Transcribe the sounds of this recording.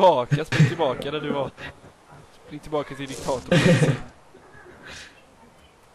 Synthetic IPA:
ɑːkaspɾɪt̪ʰɪlbɑːkad̪æɖɵva | spɾɪŋːt̪ʰɪlbɑːkat̪ʰɪld̪ɪk̚t̪ʰɑːt̪ʊ

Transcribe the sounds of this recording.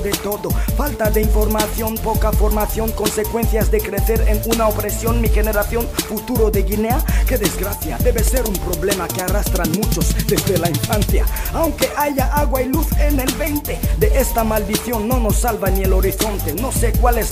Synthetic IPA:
ðet̪oðofalt̪aðeiɱfo̞ɾmaθjo̞npokafoɾmaθjo̞ŋko̞nsekwe̞nθjazd̪ekɾeθeɾenunaopɾesjo̞nmixeneɾaθjo̞nfut̪uɾoðeɣineakeðezɡɾaθja̰d̪eβeseɾumpɾoβlemakearast̪ɾanmut͡ʃozd̪ezd̪elaiɱfanθjaawŋkeʔaʝaʔaɣwailuθenelβent̪ed̪eʔest̪amald̪iθjo̞nːonosːalβanielo̞ɾiθo̞nt̪eno̞sekwales

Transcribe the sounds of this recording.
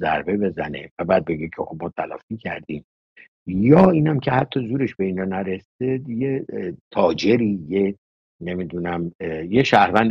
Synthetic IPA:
zæ̰ɾbe̞be̞zæne̞̰væbæːd̪̚be̞ɡecʰexo̞b̚mɒːt̪ʰælɒ̰ːfiːcʰæ̰ɾd̪iːm | jɒːiːnæmcʰe̞hæt̪ʰːɒːzuːɾe̞ʃbe̞ind͡ʒɒnæɾesed̪jet̪ʰɒːd͡ʒe̞ɾiːje | ne̞mid̪unæmjeʃæhɾvænd̪

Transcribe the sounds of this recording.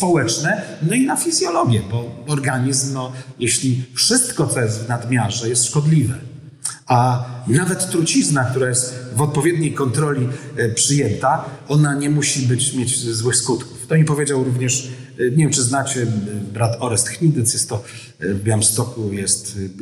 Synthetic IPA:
spɔwɛt͡ʂnɛnɔinafʲizʲjɔlɔɡʲjɛbɔɔɾɡaɲizmnɔjɛɕlʲifʂɘst̪kɔt̪sɔjɛst̪vnad̪mʲjaʐɛjɛst̪ʂkɔd̪lʲivɛ | anavɛt̪ːɾut͡ɕiznak̚t̪uɾajɛst̪vɔt̪̚pɔvʲjɛd̪̚ɲejkɔnt̪ɾɔlʲipʂɘjɛnt̪aɔnaɲɛmuɕibɘt͡ɕmʲjed͡ʑzwɘxskut̪ku̥ft̪ɔmʲipɔvʲjed͡ʑawɾuvɲɛʂɲɛvʲjɛmt͡ʂɘznat͡ɕɛbɾat̪ɔɾɛst̪xɲid̪ɛt̪sjɛst̪ːɔ | bjamst̪ɔkujɛst̪

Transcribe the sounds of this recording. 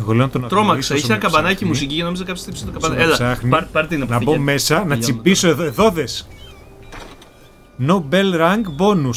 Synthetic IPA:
eɣo̞leont̪onɐt̪ɾomɐisɐiçnɐɐkɐbɐnɐcimus̬icicɐno̞mizɐkɐpst̪ipst̪okɐbɐnɐelɐsɐxnipɐɾt̪inɐpnɐbo̞me̞sɐnɐt͡sibiso̞eðoe̞ðo̞ðe̞s | nobelɾɐŋɡbo̞nus

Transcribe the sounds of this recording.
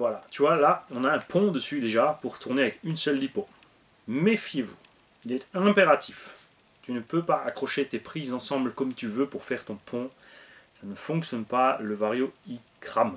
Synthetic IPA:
vwalat̪yvwalaɔ̃naɛ̃pʰɔ̃d̪əsyd̪eʒapuʁt̪ʰuʁneavɛkynsœlːipo | mefjevṵ | ilɛt̪ɛ̃peʁat̪ʰif | t̪ynəpøpaakχɔʃet̪epχizɑ̃sɑ̃blkɔmt̪yvøpuʁfɛʁt̪ɔ̃pʰɔ̃ | sanəfɔ̃ksjɔnpaləvaʁjoikχam

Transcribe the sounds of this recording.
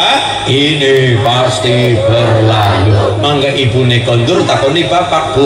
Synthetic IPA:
ʔinipast̪ib̥ərlaju | maŋɡaʔibunekɔɲd͡ʒʊrt̪apɔnipapak̚b̥u

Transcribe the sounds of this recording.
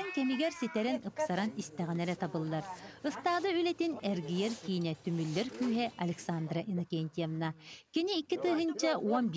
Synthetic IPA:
ŋkɛmiɡɛɾsit̪ɛɾɛnɯpsaɾanist̪ɛʁinɛɾɛt̪abɯlˠːaɾɯst̪aːd̪ɯylɛt̪inɛɾɡijɛɾkiːnɛt̪ymylːɛɾkyːɦɛʔɐlʲɛksand̪ɾaʔinɐkʲɛnʲt̪ʲiɛvnakiniːkːit̪ɯːɦɯnt͡ɕauɔnbʲ

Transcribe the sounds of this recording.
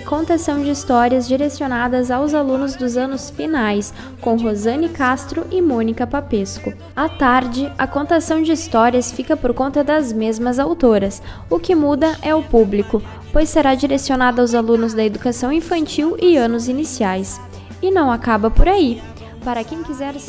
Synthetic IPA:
kõnt̪asɐ̃w̃d͡ʒɪist̪ɔɾiɐzd͡ʒiɾesionad̪ɐzawzalũnʊzd̪ʊzɐ̃nʊsfinajs | kõw̃ɦozɐ̃nɪkast̪ɾʊʔɪmõnikɐpapeskʊ | at̪aɾd͡ʒɪɐkõnt̪asɐ̃w̃d͡ʒɪist̪ɔɾiɐsfikɐpoɾkõnt̪ɐd̪ɐzmezmɐzawt̪oɾɐs | ʊkɪmud̪ɐʔɛʊpublikʊ | pojsːeɾad͡ʒiɾesionad̪ɐawzalũnʊzd̪ɐed̪ukasɐ̃w̃ĩfɐ̃nt͡ʃiwɪɐ̃nʊzinisiajs | ɪnɐ̃w̃akabɐpoɾai | paɾɐkẽj̃kizɛɾ

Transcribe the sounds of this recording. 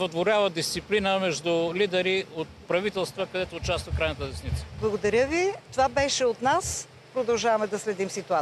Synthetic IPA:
vɐt̪voɾʲavəd̪ist̪siplinəmɛʒd̪ulid̪ɛɾiot̪pɾɐvit̪ɛlˠst̪vəkɐd̪ɛt̪oːt͡ʃast̪vɐkɾajnət̪əd̪ɛsnit̪sə̥blˠɐɡod̪ɐɾʲjəvit̪ovabɛʃɛot̪nas | pɾod̪ɐlˠʒavɐmɛd̪ɐslɛd̪imsit̪ua

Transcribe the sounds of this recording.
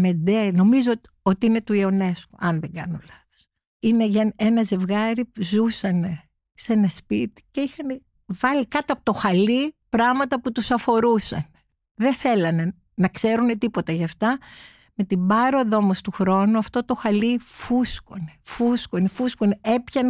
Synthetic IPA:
med̪eno̞mizo | o̞t̪iine̞t̪uio̞ne̞skoʔɐnðeŋɡɐ̰nolɐθo̥s | ine̞ʝɐe̞nɐze̞vɣɐɾipuzusɐne̞ | se̞nɐspit̪i̥ce̞ixɐne | vɐlikɐt̪iɐpo̥t̪oxɐlipɾɐɣmɐt̪ɐput̪usɐfo̞ɾusɐ̰ne | ðeθe̞lɐne̞ | nɐkse̞ɾune̞t̪ipo̞t̪ɐʝɐft̪ɐ | me̞t̪imbɐɾo̞ðomost̪uxɾo̞nuɐft̪o̞t̪o̞xɐlifusko̞ne̥fuskonefuskonee̞pçɐn

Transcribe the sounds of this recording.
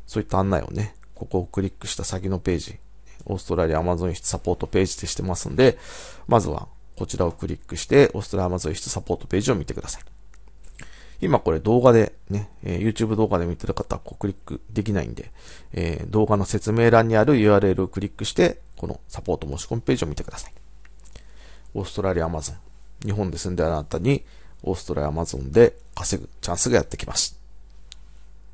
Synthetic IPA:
soːit̪ːãːnːa̰ḭo̞̰ne̞ | ko̞ko̞ːkɯ̟ɾʲikːɯ̟ɕi̥t̪asakʲino̞pe̞ːʑi | o̞̰ːsɨ̥t̪o̞ɾaɾʲiamazõ̞ɰ̃çi̥t͡sɨ̥sapo̞ːt̪ope̞ːʑid̪e̞ɕi̥t̪e̞masɨ̰̃nod̪e̞ | mʔazɨ̰βa̰ | ko̞t͡ɕiɾʔao̞kɯ̟ɾʲikːɯ̟ɕi̥t̪e̞ʔo̞ːsɨ̥t̪o̞ɾaiamazõ̞ɰ̃çi̥t͡sɨ̥sapo̞ːt̪o̞pe̞ːʑio̞mʲit̪e̞kɯasai̥ | imako̞ɾe̞d̪o̞ːɡad̪e̞ | ne̞̰jɯ̟ːt͡ɕɨːbɯ̟d̪o̞ːɡad̪e̞mʲit̪e̞ɾɯ̟kat̪ako̞ːkɯ̟ɾʲikːɯ̟d̪e̞kʲina̰ḭ̃nd̪e̞̰ | ḛːd̪o̞ːɡano̞se̞t͡sɨme̞ːɾãɲ̟ːiaɾɯ̟jɯ̟ːaːɾɯ̟e̞ɾʔɯ̟o̞kɯ̟ɾʲikːɯ̟ɕi̥t̪e̞ko̞nʔo̞̰sapo̞ːt̪omo̞ːɕi̥komɯpe̞ːʑio̞mʲit̪e̞kɯ̟d̪asḁi̥ | o̞̰ːsɨ̥t̪o̞ɾaɾʲiamazõ̞ŋ | ɲ̟iɦõ̞nd̪e̞sɨ̃nd̪eanat̪aɲ̟i | o̞ːsɨ̥t̪o̞ɾʔa̰amazõ̞̰nd̪e̞ | kaseɡɯ̟̰t͡ɕãɰ̃sɨɡaja̰t̪ːe̞kʲimʔaɕi̥

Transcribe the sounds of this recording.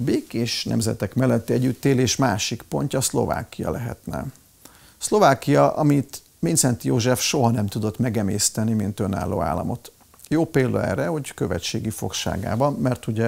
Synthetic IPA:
beːkeːʃnɛ̰mzɛ̰t̪ɛkmɛlːɛt̪ːiɛɟːyt̪ːeːleːʃmaːʃikpo̞ɲcɒslo̞̰va̰ːkijɒ̰lɛɦɛ̰t̪nɛ̰ | slo̞vaːkijɒʔɒmit̪ | mint̪sɛnt̪joːʒɛfʃo̞ɦɒnɛmt̪ud̪o̞t̪mɛɡɛmeːst̪ɛnimint̪ø̞na̰ːlːo̰ːa̰ːlːɒ̰mo̞t̪ | joːpeːld̪ɒɛ̰rːɛho̞ckøvɛ̰t͡ʃeːɡifo̞̰kʃa̰ːɡa̰ːbɒnmɛrt̪uɟɛ

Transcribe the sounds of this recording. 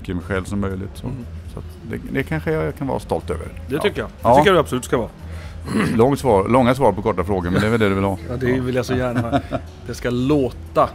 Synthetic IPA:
kːəɪmɛjɧɛlvsɔmːœjlɪt̪sɔ̰sɔ̰t̪d̪ɛ̰d̪ɛkʰanɧəjakʰanvɑ̰ːɾast̪ɔlt̪ø̰ːvə̰ɾd̪ɛt̪ʰʏkːəjaɑːkːəjdabsɔlʉ̟ːt̪skavɑː | lɔŋːsvɑːɾlɔŋːasvɑːɾpɔkɔʈːafɾoːɡəɾmɛnd̪ɛɾvɛld̪ɛd̪ɵvɪlhɑɑd̪ɛvɪljasɔjæːɳa | d̪̥ɛskaloːt̪a

